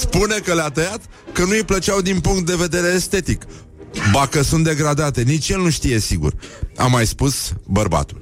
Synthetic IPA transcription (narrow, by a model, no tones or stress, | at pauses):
spune̞kəleat̪əjat̪ | kənuijplət͡ʃawd̪inpuŋkt̪̚d̪e̞ve̞d̪e̞ɾe̞ːst̪e̞t̪ik | d̪akəsunt̪̚d̪e̞ɡɾad̪at̪e̞nit͡ʃjelnuʃt̪ije̞siɡṵra̰mːajspusbərba̰t̪ul